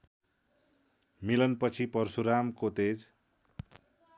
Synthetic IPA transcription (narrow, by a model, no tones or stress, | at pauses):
milʌnpʌt͡sʰipʌrsuɾamkot̪ed͡z